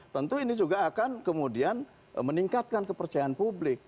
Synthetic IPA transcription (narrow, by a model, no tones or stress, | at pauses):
t̪ənt̪uinid͡ʒuɡaːkankəmudian | məniŋkat̪̚kankəpərt͡ʃajaanpublɪk̚